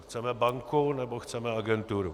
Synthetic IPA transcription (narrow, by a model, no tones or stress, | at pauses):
xt͡sɛmɛbaŋkunɛbɔxt͡sɛmɛaɡɛnt̪uɾu